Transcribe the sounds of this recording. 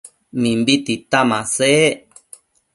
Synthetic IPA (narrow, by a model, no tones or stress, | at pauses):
mĩmbit̪it̪amãse